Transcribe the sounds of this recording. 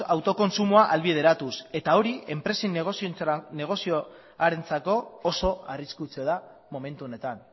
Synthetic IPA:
awt̪o̞ko̞nsumuaʔalβið̞e̞ɾat̪use̞t̪ao̞ɾie̞mpɾe̞sinɣosione̞ɣ̞o̞sio | aɾe̞nt͡sako̞ːso̞ariskut͡seoða | mo̞me̞nt̪uone̞t̪an

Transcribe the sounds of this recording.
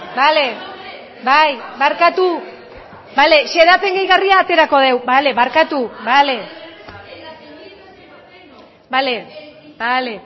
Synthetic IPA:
bale̞ | bajβaɾkat̪u | bale̞ʃe̞ðat͡se̞ŋɡejɣariaːt̪e̞ɾako̞ð̞e̞wbale̞βaɾkat̪uβale̞ | balebale̞

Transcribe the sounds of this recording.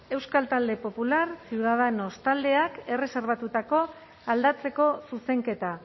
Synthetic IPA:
e̞wskalt̪ald̪e̞po̞pulaɾsiuð̞aðeno̞st̪ald̪e̞ake̞re̞seɾβ̞at̪ut̪ako̞ | ald̪at͡se̞ko̞suse̞ŋke̞t̪a

